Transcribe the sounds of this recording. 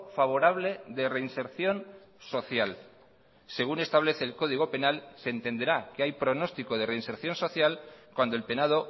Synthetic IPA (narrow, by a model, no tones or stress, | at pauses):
faβ̞o̞ɾaβ̞le̞ðe̞re̞inse̞ɾθjo̞nso̞θjal | se̞ɣune̞st̪aβ̞le̞θe̞ːlko̞ð̞iɣo̞pe̞nalseːnt̪e̞nd̪e̞ɾakeajpɾo̞no̞st̪ikoðe̞reinse̞ɾθjo̞nso̞θjalkwand̪olpe̞nað̞o̞